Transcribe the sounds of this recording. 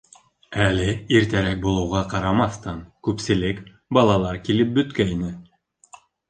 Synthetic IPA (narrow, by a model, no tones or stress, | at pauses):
ælɘiɾt̪æɾæk̚bulˠɤ̆wʁɑqɑɾɑmɑθt̪ɑnkʉpsɘ̆lɘk | bɑlˠɑlˠɑɾkilɘp̚bɵ̆t̪kæjnɘ